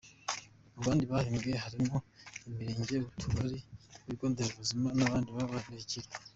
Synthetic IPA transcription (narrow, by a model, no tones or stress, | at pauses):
aβaːndiβahimɡe̞ɦaɾimoimiɾeːɲɟeβutʰuɾaɾiuiɡoːndezuβuzimanaβaːndiβaβaβiɾiciɾe